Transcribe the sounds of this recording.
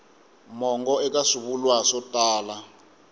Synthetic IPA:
mɔŋɡɔɛk̬ʼasuɓulwasɔtʼaːla

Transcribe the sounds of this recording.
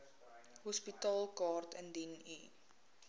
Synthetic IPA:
ɦɔspitɑːlˠkɑːrtəndinḭ

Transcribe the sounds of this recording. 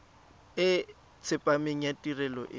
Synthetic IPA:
ɪ | t͡sʰɪpʼameŋ̩jatʼirɛlɔ̰ʔɪ

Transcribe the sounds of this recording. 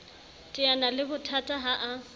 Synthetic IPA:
tʼɪanalɪbʊtʰatʼaɦaʔa

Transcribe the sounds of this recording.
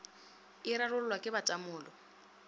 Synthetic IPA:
ɪɾarʊllwakʼɪbat͡ʃʼamʊːlɔ

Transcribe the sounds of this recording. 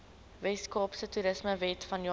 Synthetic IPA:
vɛskɑːpsətuɾəsməvɛtfɐnjɑ

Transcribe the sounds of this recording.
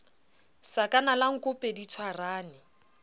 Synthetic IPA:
sakʼanalaŋ̩kʼʊpʼedit͡sʰwaraːnɪ

